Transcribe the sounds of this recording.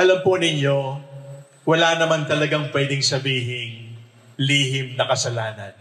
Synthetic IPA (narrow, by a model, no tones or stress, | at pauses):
ʔɐlɐmponɪɲjo̞ | wɐlanɐmant̪ɐlɐɡaŋpwɛd̪ɪŋsɐbiːɦɪŋ | liːɦɪmnɐkɐsɐlaːnɐ̰n